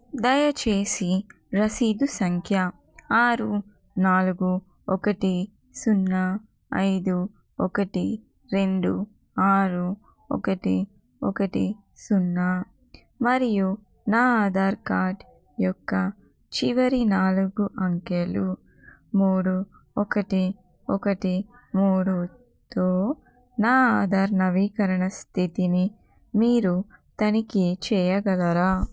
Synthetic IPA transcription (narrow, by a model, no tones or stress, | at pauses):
d̪ɐjɐt͡ʃeːsi | ɾɐsiːd̪usɐŋkʰjɐ | aːɾu | naːluɡu | ɔkɐʈi | sunːɐ | ɐ̰jd̪u | ɔkɐʈi | ɾe̞ɳɖu | aːɾu | ɔ̰kɐʈi | ɔ̰kɐʈi | sunːɐ | mɐɾiju | naːaːd̪aːɾkaːʈ | jɔkːɐ | t͡ʃiʋɐɾinaːluɡuʔɐŋkelu | muːɽu | ɔkɐʈi | ɔkɐʈimuːɽu | t̪oː | naːaːd̪ʱaːɾnɐʋiːkɐɾɐɳɐst̪ʰit̪ini | miːɾut̪ɐnikit͡ʃɛːjɐɡɐlɐɾaː